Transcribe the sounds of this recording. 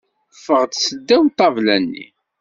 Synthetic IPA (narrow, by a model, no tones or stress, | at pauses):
fːəʁd̪səd̪ːæwt̪ˤːɑvlænːḭ